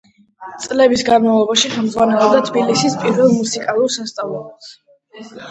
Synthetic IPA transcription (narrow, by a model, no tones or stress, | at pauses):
t̪sʼlɛbisɡanmavlˠɔbaʃiχɛlˠmd̪zʁwanɛlˠɔbd̪at̪ʰbilisispʼiɾvɛlˠmusikʼalˠuɾsast̪sʼavlˠɔas